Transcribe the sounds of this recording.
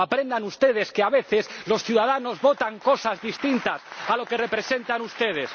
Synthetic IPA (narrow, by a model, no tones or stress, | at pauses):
apɾẽ̞nd̪anust̪e̞ðe̞skeaβe̞θeslo̞sθjuðaðano̞zβo̞t̪aŋko̞sazðist̪int̪asalo̞kere̞pɾe̞se̞nt̪anust̪e̞ðes